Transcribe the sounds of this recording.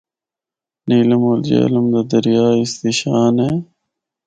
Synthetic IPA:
niːlɐmoːld͡ʑḛːlɐmd̪ad̪ɐɾjaːist̪iɕaːne

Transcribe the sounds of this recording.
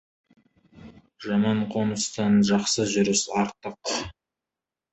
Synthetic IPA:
ʒɑmɑɴqʰo̞nəst̪ɑnʒɑqsəʒʏɾɪsɑɾt̪əq

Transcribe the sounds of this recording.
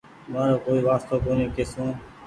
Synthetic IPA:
maːɾoːkoːiːʋaːst̪oːkoːniːkeːsõː

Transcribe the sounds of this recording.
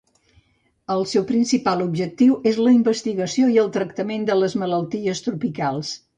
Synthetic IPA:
əlˠsɛwpɾinsipalubʒək̚t̪iwʔezləimbəst̪iɣəsioiəlˠt̪ɾək̚t̪əmend̪ələzmələlˠt̪iəst̪ɾupikalˠs

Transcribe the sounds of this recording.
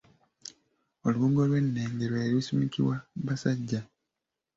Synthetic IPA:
oluwuːŋɡo̞lwe̞nːe̞ːŋɡeɾwoeɾiusumikḭwaβasaɟːa

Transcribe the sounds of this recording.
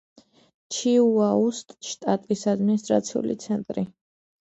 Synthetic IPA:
t͡ʃʰiuaust̪ʼʃt̪ʼat̪ʼisad̪minis̬t̪ʼɾa̰t̪sʰiṵlḭt̪sʰɛnt̪ʼɾi

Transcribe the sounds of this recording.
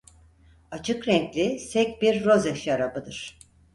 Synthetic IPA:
at͡ʃʰɯkɾɛŋclʲisɛc̚ʲbiɾːo̞zɛʃaɾabɯd̪ɯɾ̥

